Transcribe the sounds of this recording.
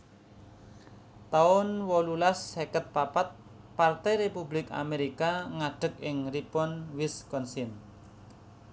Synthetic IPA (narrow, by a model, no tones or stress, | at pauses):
t̪aʊnwɔlulasːekət̪̚papat̪̚ | part̪ɛjɾepublɪka̰meɾikaŋaɖ̥ə̤k̚ɪŋripɔnwɪskɔnsɪn